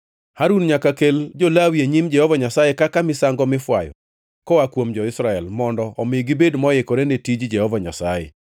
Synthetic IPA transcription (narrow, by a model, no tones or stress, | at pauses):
haɾunɲakakeld͡ʒolawieɲimd͡ʒɛhɔvaɲasajekakamɪsaŋɡɔmɪfwa̰jɔ̰ | kɔwakwomd͡ʒɔɪsɾaɛlmɔndɔʔɔmɪɡɪbedmɔjɪkɔɾenetid͡ʒd͡ʒɛhɔvaɲa̰sajɛ̰